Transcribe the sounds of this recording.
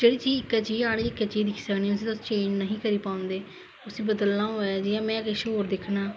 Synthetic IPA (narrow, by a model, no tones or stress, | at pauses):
d͡ʒeːɽiːt͡ʃiːɪkːɛːt͡ʃiːaːɽeːɪkːet͡ʃiːd̪ɪkʰi̥ːsəkniːʊsĩːt̪ʊsːt͡ʃẽːd͡ʒnəɦĩːkəɾiːpãːʊnd̪eː | ʊsĩːbəd̪əlːãːɦoːaːd͡ʒɪjãːmɛ̃ːkeʃoːɾd̪ɪkʰnãː